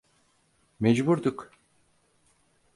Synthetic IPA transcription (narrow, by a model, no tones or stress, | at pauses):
mɛd͡ʒbuɾd̪uk